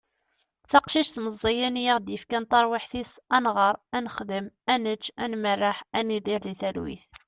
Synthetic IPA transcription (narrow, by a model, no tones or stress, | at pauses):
θɑqʃiʃθməzˤːijænjəʁd̪jəfkænt̪ˤɑɾˤwiħθisænʁəɾˤænəχd̪əmænət͡ʃːænmərˤːaħæniðiɾðiθæɾwḭθ